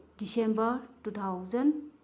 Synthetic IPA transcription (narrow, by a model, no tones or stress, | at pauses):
disembɐɾtut̪ʰawzɐn